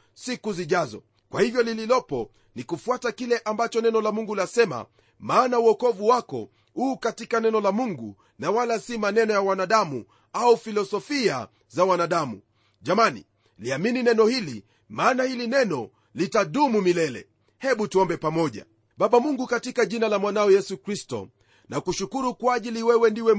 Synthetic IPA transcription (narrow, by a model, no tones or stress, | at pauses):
sikuziʄazɔ̰ | kwahivjɔlililɔpɔ | nikufuatakilɛʔambat͡ʃɔnɛnɔlamuŋɡulasɛma̰ | maːnauɔkɔvuwakɔ̰ | uːkatikanɛnɔlamuŋɡu | nawalasimanɛnɔjawanaɗamṵ | aufilɔsɔfia̰ | zawanaɗamṵ | ʄamanḭ | liamininɛnɔhilḭ | maːnahilinɛnɔ | litaɗumumilɛlɛ̰ | hɛɓutuɔmbɛpamɔʄa̰ | ɓaɓamuŋɡukatikaʄinalamwanaɔjɛsukɾistɔ̰ | nakuʃukuɾukwaʄiliwɛwɛndiwɛ